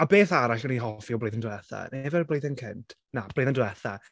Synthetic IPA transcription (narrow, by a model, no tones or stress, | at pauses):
abeːθaɾaɬɡ̥əniɦɔfiɔblejðəndwɛθa̰nɛevɛrblˠejðənkʰɪntʰ | nab̥lejðəndwɛθa